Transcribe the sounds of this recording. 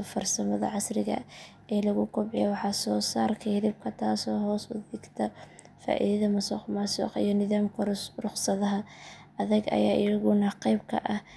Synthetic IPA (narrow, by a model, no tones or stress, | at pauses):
fɐrsɐmɐðɐ̰ʕɑsrɪɣɐ̰ | ɛːlɐɣʊkʰɔbʕɪjɛwɑħɑːsɔːsaːrkʰɐhðɪb̚kʰɐt̪ʰaːsɔːɦɔːsʊðɪɡt̪ʰɐ | fa̰ːʔḭðɐðɐmɐsɔqmɐsɔ̰qḭjɔnɪðaːmkʰɐrʊχsɐðɐɦɐ | ɐðɐɡɐ̰jaːʔɪjɐɣʊnɐqɛjb̚kʰɐ̰ʔɐh